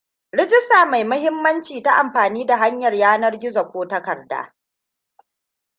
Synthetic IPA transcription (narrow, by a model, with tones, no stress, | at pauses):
ɾɪ˦d͡ʒɪ˦staː˨ma˨jmʊ˦ɦɪ˦mːɐ˦nt͡ʃiː˨ta˦ʔa˨mɸaː˨niː˦da˨ɦa˦ɲjɐ˨rjaː˦nɐ˦rɡʲɪ˦zɐ˨kʷoː˦tɐ˦kɐ˨rda̰ː˦